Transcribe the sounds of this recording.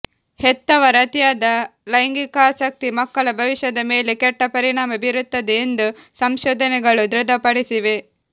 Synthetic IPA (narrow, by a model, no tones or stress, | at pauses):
het̪ːɐʋɐɾɐt̪jaːd̪ɐlɐjŋɡikaːsɐk̚t̪imɐkːɐɭɐbʱɐʋiʃjɐd̪ɐme̞ːlekɛʈːɐpɐɾiɳaːmɐbiɾut̪ːɐd̪eːnd̪usɐmʃɔːd̪ʱɐnɛɡɐɭud̪ɾud̪ʱɐpɐɽisiʋe